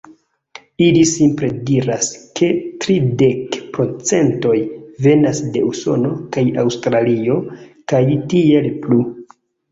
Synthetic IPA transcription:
ilisimpɾe̞diɾaskʰe̞tɾide̞kpɾo̞t͡se̞nto̞jve̞nasde̞uso̞̰no̞kajawstɾalio̞kajtie̞lplu

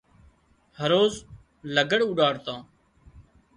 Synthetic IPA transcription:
həɾoːz | ləɡəɽʊɖaːɽt̪ãː

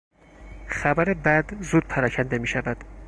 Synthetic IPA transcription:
xæbæɾebæd̪zuːd̪̥̚pʰæɾɒːcʰænd̪e̞miːʃævæd̪̥

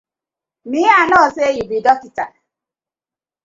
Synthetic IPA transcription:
mianɔsejibidɔkita

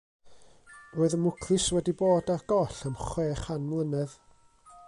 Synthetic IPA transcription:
roːɨðəmʊkʰlɨswɛdiboːdarɡɔɬəmχweːχanmlˠənɛð

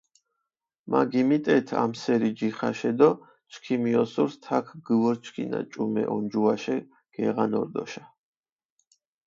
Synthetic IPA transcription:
maɡimit̪ʼɛt̪ʰa̰msɛɾid͡ʒiχaʃɛd̪ɔ | t͡ʃʰkʰimiɔsuɾst̪ʰakʰɡɨvɔɾt͡ʃʰkʰina̰t͡ʃʼumɛ̰ʔɔnd͡ʒuaʃɛ | ɡ̥ɛʁanɔ̰ɾd̪ɔ̰ʃa

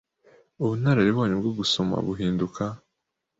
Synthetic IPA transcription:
uβun̥aɾeɾiβo̞ːɲebɡoɡusoma̰βuɦiːndukʰa

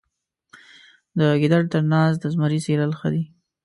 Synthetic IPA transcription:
d̪əɡɪd̪aɽt̪əɾnɑsd̪əzmaɾiselalxə̰d̪i

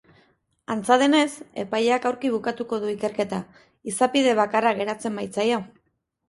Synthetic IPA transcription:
ant͡saðe̞ne̞se̞̰pajeakawɾkiβ̞ukat̪uko̞ðuike̞ɾke̞t̪a | isapið̞e̞β̞akaraɣe̞ɾat͡se̞mbajt͡sajo̞

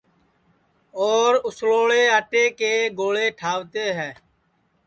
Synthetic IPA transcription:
oːɾʊsloːɭeːɦəʈeːkeːɡoːɭeːʈʰaːʋt̪eːɦɛ̃ː

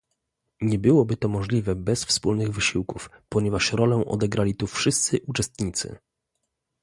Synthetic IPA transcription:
ɲɛbɘwɔbɘt̪ɔmɔʐlʲivɛbɛsfspulnɘɣvɘɕiwkufpɔɲɛvaʂɾɔlɛʔɔ̰d̪ɛɡɾalʲit̪ufʂɘst̪sɘʔut͡ʂɛst̪ɲit̪sɘ̰

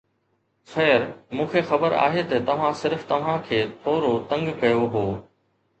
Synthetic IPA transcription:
xɛːɾmũːkʰexɐbəɾa̰ːɦet̪ɐt̪ɐʋ̤ãsɪɾft̪ɐʋ̤ãkʰeːt̪ʰoːɾot̪ɐ̃ŋɡkɐjoɦoː

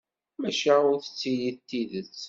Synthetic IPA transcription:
mæʃaʊθə̥t͡sːijit̪ːiðət͡sː

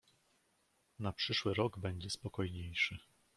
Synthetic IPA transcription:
napʂɘʂwɘɾɔɡbɛɲd͡ʑɛspɔkɔjɲejʂɘ

